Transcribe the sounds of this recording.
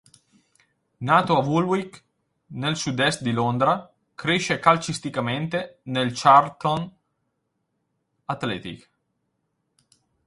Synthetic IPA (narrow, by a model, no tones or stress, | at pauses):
naːt̪oavulwik | nelsud̪ɛst̪̚d̪ilond̪ɾa | kɾeʃekalt͡ʃist̪ikament̪enelt͡ʃart̪on | at̪lɛ̰ːt̪ḭk